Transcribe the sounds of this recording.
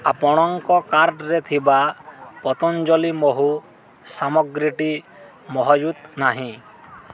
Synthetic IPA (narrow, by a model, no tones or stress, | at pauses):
apɔɽ̃ɔŋkɔkaɾɖɾet̪ʰibapɔt̪ɔnd͡ʒɔlimɔɦu | samɔɡɾiʈi | mɔɦɔjut̪naɦĩ